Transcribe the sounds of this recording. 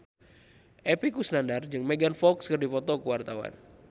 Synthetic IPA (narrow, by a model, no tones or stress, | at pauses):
ʔepikusnandard͡ʒɨŋmeɡanfɔkskərdipɔt̪ɔkəwart̪awa̰n